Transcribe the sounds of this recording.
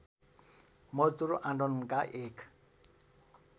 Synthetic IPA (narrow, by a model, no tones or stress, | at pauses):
mɔzt̪uɾʔaɳɖɔnkaʔekʰ